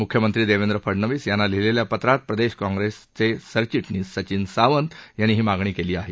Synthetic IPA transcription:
mukʰjəmənt̪ɾiːd̪eʋend̪ɾəfʰəɽnəʋiːsjanːalileljapət̪ɾat̪̚pɾəd̪eɕkɔ̃ŋɡɾest͡sesəɾt͡ɕiʈniːsət͡ɕiːnsaʋənd̪janːiːɦiːmaɡɳ̃iːkeliːaɦe

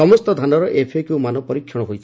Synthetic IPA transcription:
ɔmɔst̪ɔd̪ʱanɔɾɔʔepʰekuwmanɔpɔɾikʰːjɔɽ̃ɔɦojt͡ʃʰ

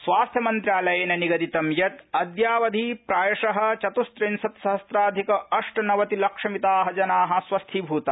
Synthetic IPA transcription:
sʋaːst̪ʰjɐmɐnt̪ɾjaːlɐjeːnɐniɡɐd̪it̪ɐmjɐt̪ɐd̪jaːʋɐd̪ʱiːpɾaːjɐʂɐɦɐ̆t͡ʃɐt̪ust̪ɾinsɐt̪sɐɦɐst̪ɾaːd̪ʱikɐʔɐʂʈɐnɐʋɐt̪ilɐkʂɐmit̪aːɦɐd͡ʒɐnaːɦɐ̆sʋɐst̪ʰibʱuːt̪ɐ

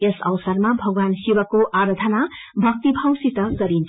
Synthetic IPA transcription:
esʌ̰wsʌrmabʱʌɡwansiwʌkoʔaɾʌd̪ʱʌna | bʱʌk̚t̪ibʱãw̃sit̪ʌɡʌɾint͡sʰ

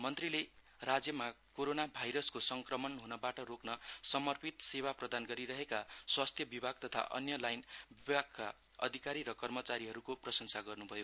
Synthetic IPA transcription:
mʌnt̪rile | rad͡zjʌmakoɾonabʱajɾʌskosʌŋkrʌmʌnɦunʌbaʈʌroknʌsʌmʌrpit̪sewaprʌd̪ʱanɡʌɾiɾʌɦekaswast̪ʰjʌbibʱaɡ̚t̪ʌt̪ʰa̰ʔʌ̰njʌlajnbibʱaɡ̚ka̰ | ʌ̰d̪ʱikaɾiɾʌkʌrmʌt͡saɾiɦʌɾukoprʌsʌnsaɡʌrnubʱʌjo

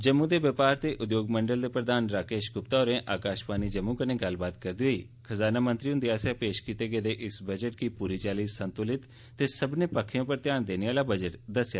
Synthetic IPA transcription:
d͡ʒəmːũd̪eːʋəpaːɾt̪eːʔʊd̪joːɡməɳɖəld̪eːpɾəd̪aːnɾaːkeːʃɡʊpt̪aoːɾẽːʔaːkaːʃpaːniːd͡ʒəmːũkənẽːɡəlbaːt̪kəɾd̪iːɦoḭː | kʰəzaːnaːmə̃nt̪ɾiʊnd̪iaːsjapeːʃkiːt̪eːɡeːd̪eːʔɪsbəd͡ʒəʈ̚kiːpuːɾiːt͡ʃaːliːssə̃nt̪ʊlɪt̪ː | eːsəbneːpəkʰːɪjõːpəɾt̪jaːnd̪eːneʋaːlaːbəd͡ʒəʈd̪əsjaː

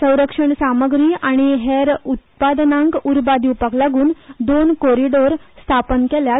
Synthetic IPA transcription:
sə̃w̃ɾəkʂəɳsaməɡɾiːaɽ̃iɦeɾut̪̚pad̪nãŋkuɾbad̪iupəklaɡuːnd̪onkoɾiɖoɾst̪ʰapənkɛlja

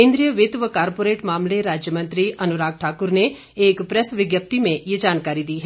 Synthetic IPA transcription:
ẽːnd̪ɾijəʋɪt̪ʋəkaːɾpoːɾeːʈmaːmleɾaːd͡ʒjəmɐ̃nt̪ɾiʔɐnʊɾaːk̚ʈʰaːkʊɾne | eːkpɾɛsʋɪɡjəp̚t̪imẽjed͡ʒaːnkaːɾid̪iːɦɛ

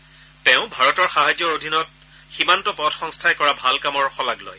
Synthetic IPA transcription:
tɛʊ̃bʱaɹɔtɔɹxaɦazjɔodʱinɔt̚ | ximantɔpɔdxɔŋstʰajkɔɹabʱalkamɔɹxɔlaɡlo̰j

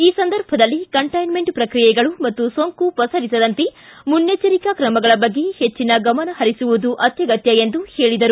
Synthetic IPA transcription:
iːsɐnd̪ɐɾbʱɐd̪ɐlːikɐɳʈɐjnme̞ɳʈpɾɐkɾijɛɡɐɭumɐt̪ːusoːŋkupɐsɐɾisɐd̪ɐnt̪emunːet͡ʃɐɾikɐkɾɐmɐɡɐɭɐbɐɡːe̞het͡ʃːinɐɡɐmɐnɐhɐɾisuʋud̪uʔɐt̪jɐɡɐt̪jɐend̪uheːɭid̪ɐɾu

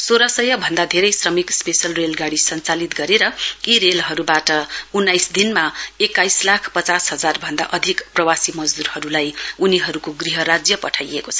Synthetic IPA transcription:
soɾʌsʌjʌbʱʌnd̪ad̪ʱeɾʌjsrʌmikspesʌlrelɡaɽisʌnt͡salit̪ɡʌɾeɾʌiɾelɦʌɾubaʈʌunːajsd̪inmaekːajslakʰpʌt͡sasɦʌd͡zarbʱʌnd̪a̰ʔʌd̪ʱikprʌwasimʌd͡zd̪urɦʌɾulajuniɦʌɾukoɡriɦʌɾad͡zjʌpʌʈʰajekot͡sʰʌ

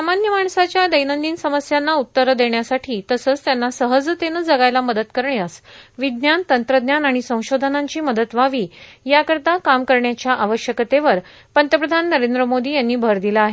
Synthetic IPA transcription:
samanjəmaɳsat͡ɕjad̪əjnənd̪iːnsəməsjanːaut̪ːəɾəd̪eɳjasaʈʰiːt̪əsəːt͡st̪janːasəɦəd͡zt̪enəd͡zəɡajlaməd̪ət̪kəɾɳeasʋid̪njant̪ənt̪ɾəd̪njanaɽ̃isə̃w̃ɕod̪ʱənaɲt͡ɕiːməd̪ət̪ʋaʋiːjakəɾt̪akamkəɾɳjat͡ɕjaʔaʋəɕjəkət̪eʋəɾ | pənt̪jəpɾəd̪ʱanːəɾend̪ɾəmod̪iːjanːiːbʱəɾd̪ilaːɦe

